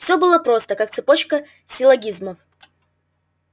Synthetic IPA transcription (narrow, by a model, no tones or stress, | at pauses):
fsʲɵbɨlˠəpɾo̞st̪əkak̚t̪sɨpot͡ɕkə | sʲɪlˠɐɡʲizməf